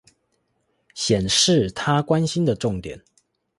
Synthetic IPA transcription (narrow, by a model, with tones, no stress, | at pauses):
ɕjɛ˨˩nʂɻ̩˥˨t̪ʰa˦kwa˦nɕi˦nd̪ə˨ʈ͡ʂʊ˥˨ŋt̪jɛ̰˨˩˦n